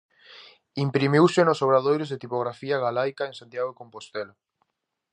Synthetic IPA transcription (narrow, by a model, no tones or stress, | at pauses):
impɾimiwsɪnosoβɾaðojɾezðet̪ipoɣɾafiaɣalajkaẽnsant̪jaɣoekompost̪ela